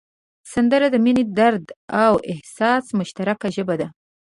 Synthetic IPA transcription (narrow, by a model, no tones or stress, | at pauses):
sand̪əɾad̪əmined̪aɾd̪awɪhsɑsmʊʃt̪aɾakaʒəbad̪a